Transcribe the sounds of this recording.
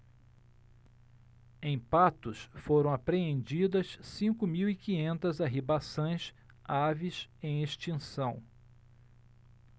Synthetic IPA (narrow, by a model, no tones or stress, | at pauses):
ẽj̃pat̪ʊsfoɾɐ̃w̃apɾeẽnd͡ʒid̪ɐssĩŋkʊmiwikĩɲẽnt̪ɐzaɦibasõj̃s | avisẽj̃eʃt͡ʃĩsɐ̃w̃